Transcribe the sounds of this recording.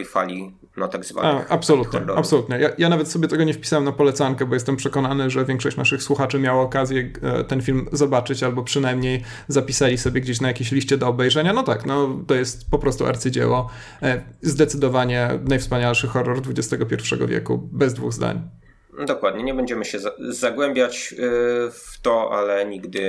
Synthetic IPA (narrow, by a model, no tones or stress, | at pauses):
jfa̰lʲi | nɔt̪aɡzva̰apsɔluttɲɛ̰apsɔlut̪ɲɛjajanavɛt̪sɔbʲjɛt̪ɛɡɔɲɛfpʲi̥sawɛmnapɔlɛt̪saŋkɛbɔjɛst̪ɛmpʂɛkɔnanɘʐɛvʲjɛ̃ŋkʂɔɕt͡ɕnaʂɘxswuxat͡ʂɘmʲjawaɔkazʲjɛ̰t̪ɛnfʲilmzɔbat͡ʂɘt͡ɕalbɔpʂɘnajmɲej | zapʲisalʲisɔbʲjɛɡd͡ʑeɕ̬najakʲeɕlʲiɕt͡ɕɛd̪ɔːbɛjʐɛɲanɔt̪aknɔt̪ɔjɛst̪pɔpɾɔst̪ṵʔa̰ɾt̪sɘd͡ʑɛ̰wɔ | zd̪ɛt̪sɘd̪ɔvaɲɛnajfspaɲalʂɘxɔrːɔɾd̪vud͡ʑɛst̪ɛɡɔpʲɛɾfʂɛ̰ɡɔ̰vʲjɛ̰kṵbɛzd̪vṵɣzd̪a̰ɲ | d̪ɔkwad̪ɲɛɲɛbɛɲd͡ʑɛmɘɕɛzaɡwɛmbʲjat͡ɕ | ft̪ɔa̰lɛɲiɡd̪ɘ